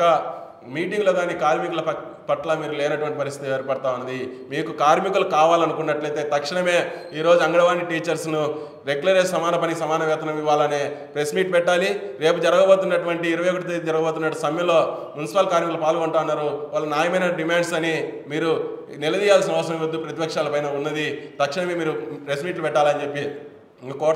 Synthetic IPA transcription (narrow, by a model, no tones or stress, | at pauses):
ɐ | miːʈ̬iŋɡloːɡaːniːkaːɾmikulɐpɐʈlɐmiːɾuleːnɐʈuʋɐɳʈipɐɾist̪it̪eːɾpɐɽɐt̪aːʋunːɐd̪imiːkukaːɾmikulukaːʋaːlɐnukunːɐʈlɐjt̪e̞ːt̪ɐkʂɐɳɐme̞ːiːɾo̞ːd͡ʒuɐŋɡɐɽɐʋaːnːiʈiːt͡ʃɐɾsnu | ɾe̞ɡulɐɾessɐmaːnɐpɐniksɐmaːnɐʋɛːt̪ʰɐnɐmiʋaːlɐneːpɾesmiːʈ̚pɛʈːaːliɾe̞ːpud͡ʒɐɾɐɡɐbo̞ːt̪unːɐʈuʋɐɳʈiːɾɐʋɐjokɐʈit̪ed͡ʒɐɾɐɡɐboːt̪̬unːɐʈːusɐmjɐlo̞ːmjunisipalkaːɾmiklupaːlɡuɳʈaːɐnːaːɾuʋaːɭːɐnaːjɐmɐjnɐɖimaːɳɖsɐnimiːɾu | nilɐd̪iːjaːlsinɐʋɐsɐɾɐ̃ʋiɾud̪ːupɾɐt̪ipɐkʂaːlɐpɐjnɐunːɐd̪it̪ɐkʂiɳɐme̞ːmiːɾupɾesmiːʈlupɛʈːaːlɐnd͡ʒepːi | kɔː